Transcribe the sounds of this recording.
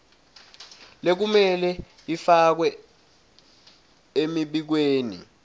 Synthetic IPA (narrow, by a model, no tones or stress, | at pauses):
lek̬umɛlɛ | ifak̬wɛ | emiɓik̬weːnḭ